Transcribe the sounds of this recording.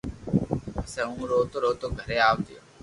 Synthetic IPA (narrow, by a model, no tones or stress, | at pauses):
ɐsɛũːɾoːt̪oɾoːt̪oɡʱɐɾeaːʋt̪ijo